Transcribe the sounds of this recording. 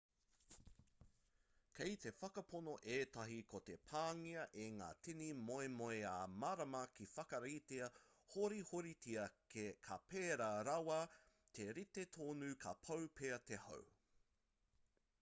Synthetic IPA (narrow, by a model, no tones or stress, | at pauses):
kʰejt̪e̞fɐkɐponoʔeːtɐɦikʰot̪e̞pʰaːŋiɐʔeŋa̰ːtʰinimoemoeaːmaɾɐmɐkifɐkɐɾiteɐ | hoɾihoɾitiɐkʰekʰapeːɾɐɾɐwɐ | t̪ʰeɾit̪et̪ʰoːnʉːkʰɐpʰɐwpʰeɐt̪eho̰w